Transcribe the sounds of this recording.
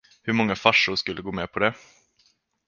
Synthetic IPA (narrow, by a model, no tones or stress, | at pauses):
hɵɾmɔŋːafaʂːʊɾʂkɵlːəɡoːmɛːpʰɔd̪ɛ